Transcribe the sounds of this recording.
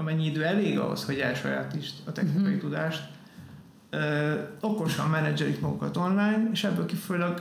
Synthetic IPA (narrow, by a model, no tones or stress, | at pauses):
ɒmɛɲːiid̪øːɛleːɡɒ̰ɦo̞̰sho̞ɟɛlʃo̰ɾa̰ːt̪iʃt̪ɒt̪ɛ̰xniɒjit̪ud̪aːʃt̪ | øːo̞ko̞ʃɒmːɛnɛd͡ʒɛlikmɒɡukɒt̪o̞nlaːjneːʃɛbːøːlkikfojulɒɡ